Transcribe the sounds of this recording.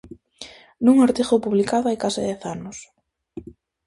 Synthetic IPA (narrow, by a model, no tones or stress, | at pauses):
nuŋoɾt̪iɣopuβlikaðoajkasɪðɛθanʊs